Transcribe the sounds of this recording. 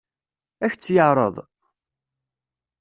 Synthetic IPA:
æçt͡sːjəʕɾˤə̰ðˤ

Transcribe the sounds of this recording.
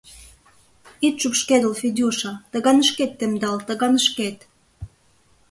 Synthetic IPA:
it̪ʃukʃked̪əlfid̪ʲuʃɑt̪ə̆ɣɑnəʃket̪ːemd̪ɑlt̪əɣɑnəʃket̪

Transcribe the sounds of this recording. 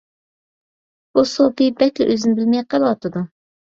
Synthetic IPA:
b̥usopibɛkʲlɛ̰ʔøzɪnɪbɪlmɛjqəlˠwɑt̪ɨd̪u

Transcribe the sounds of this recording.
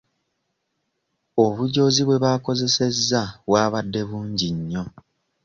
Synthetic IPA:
oβuɟo̞ːziβwe̞βako̞ze̞se̞zːaβwaːβadːe̞βuːɲɟiɲːo̞

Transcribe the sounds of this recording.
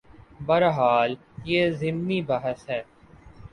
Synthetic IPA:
bɐɾɦaːl | jeːzɪmnibaɦəsɦɛː

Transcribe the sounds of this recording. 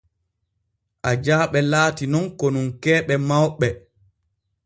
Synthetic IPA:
ʔad͡ʒaːɓɛlaːtinɔnkɔnunkɛːɓɛmawɓɛ

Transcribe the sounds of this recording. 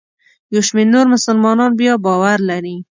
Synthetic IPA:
joʃmenoɾmʊsəlmɔnɔnbijɔbɔwaɾlaɾi

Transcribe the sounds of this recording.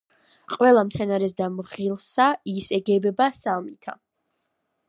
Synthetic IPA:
qʼwɛlˠamt̪sʰɛnaɾɛs̬d̪amʁilˠsaisɛɡɛbɛbasalˠmit̪ʰa̰

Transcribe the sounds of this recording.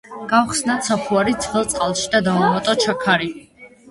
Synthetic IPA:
ɡ̥awχsnat̪sapʰuaɾit̪sʰχɛlˠt̪sʼqʼalˠʃid̪ad̪aamat̪ʼɔt͡ʃʰakʰaɾi

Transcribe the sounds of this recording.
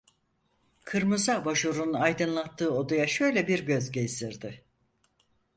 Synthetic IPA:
kʰɯɾmɯzabaʃuɾunajd̪ɯnlˠat̪ʰːɯːo̞d̪ujaʃø̞jlʲɛbiɾɟø̞zɟezd̪iɾd̪ɪ

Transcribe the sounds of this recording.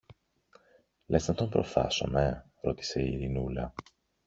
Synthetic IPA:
lesnɐt̪o̞mpɾo̞̰θɐ̰so̞̰me | ɾo̞t̪i̥se̞iɾinulɐ

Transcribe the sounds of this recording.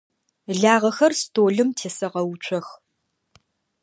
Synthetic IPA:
ɮaːʁɐxɐrstʰoːɮɨmtʰeːsɐqɐwʊt͡ʃʷʼʰɐx

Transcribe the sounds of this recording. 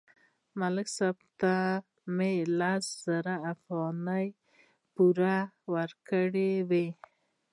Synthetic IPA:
maləksab̚t̪a | melasz̥aɾaːfɣɑnəj | puɾa | waɾkəɽewe

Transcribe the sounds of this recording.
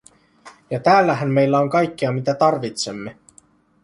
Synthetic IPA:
jɑt̪æːlːæɦæmːe̞jlːæo̞ŋkɑjkːiɑmit̪æt̪ɑrʋit̪se̞mːe

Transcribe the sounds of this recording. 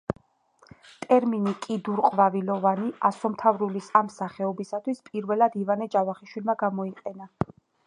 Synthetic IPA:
t̪ʼɛɾminikʼid̪uɾqʼvavilɔvaniasɔmt̪ʰavɾulisamsaχɛɔbisat̪ʰwispʼiɾvɛlad̪ivanɛt͡ʃʼavaχiʃwilmaɡamɔiqʼɛna

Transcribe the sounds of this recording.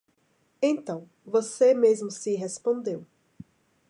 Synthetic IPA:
ẽt̪ɐ̃w̃ | vosemezmʊsiɦespõnd̪ew

